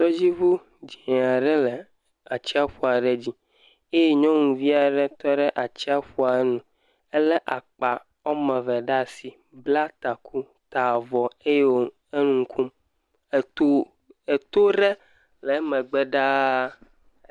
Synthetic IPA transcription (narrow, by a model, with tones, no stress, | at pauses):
t̪ɔ˦d͡ʑi˦vu˦ | d͡ʑi˨nɛ˨a˨ɖɛ˦lɛ˨ | a˨t͡ɕi˦a˦ɸu˨a˨ɖɛ˦d͡ʑi˦ | e˦je˦ɲɔ̃˦ŋũ˨vi˦a˨ɖɛ˦t̪ɔ˦ɖɛ˦ʔa˨t͡ɕi˦a˦ɸu˦a˨˦nũ˨ | ɛ˦lɛ˦ʔa˨k͡pa˨ | ɔ˦mɛ̃˨vɛ˨ɖa˦si˨ | bla˦t̪a˨kʰu˦ | t̪a˨vɔ˨e˦je˦wo˨˦ | e˦nũ˦ŋ̩˦kʰu˦m˨ | t | e˨t̪o˦ɖɛ˦ | lɛ˨˦mɛ̃˨ɡ͡bɛ˦ɖa˦